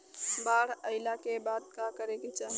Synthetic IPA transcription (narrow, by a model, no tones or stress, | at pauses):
baːɽəɪlakebaːt̪̚kakəɾeket͡ʃaːɦ